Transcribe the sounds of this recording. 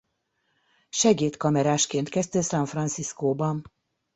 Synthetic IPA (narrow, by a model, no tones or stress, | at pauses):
ʃɛɡeːt̪kɒmɛɾaːʃkeːnt̪kɛst̪ɛsɒɱfrɒnt̪siskoːbɒn